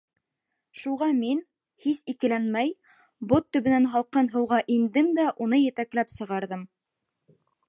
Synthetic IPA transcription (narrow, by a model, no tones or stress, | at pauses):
ʃuʁɑmin | hisikɘ̆lænmæj | bot̪ːɵ̆βɘ̆nænɦɑlˠqɤnɦɤ̆wʁɑʔind̪ɘmd̪æʔunɤjɘ̆t̪æklæpsɤ̆ʁɑɾðɤm